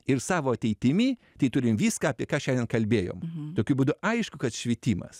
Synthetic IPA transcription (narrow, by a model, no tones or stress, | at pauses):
ɪrsɑːʋoːɐt̪ʲɛɪt̪ʲɪmʲiːt̪ɐɪt̪ʊɾʲɪmʋʲiːskɑɐpʲiɛkɑːʃʲɛndʲɛnkɐlʲbʲeːjo̰ːmt̪oːkʲʊbʊd̪ʊɐɪʃkʊkɐt̪ʃʲʋʲiɛt̪ʲiːmɐ̰s